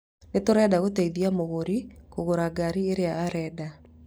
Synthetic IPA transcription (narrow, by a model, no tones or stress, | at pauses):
netoɾɛdaɣoteiðiamoɣoɾikoɣoɾaɡaɾieɾeaːɾɛːda